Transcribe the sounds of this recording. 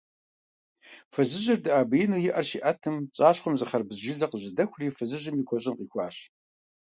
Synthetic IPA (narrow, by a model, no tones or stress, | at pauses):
fɨzɨʑɪrdɨʔaːbɐjɪnuːjɪʔɐrɕiːʔɐtʰɨmɕʼaːɕχʷɔmzɨχɐrbɨzʒɪɮɐqəʑɪdɐxʷriːfɨzɨʑɪmiːkʷʰɔɕʼɪnqiːxʷɑːɕ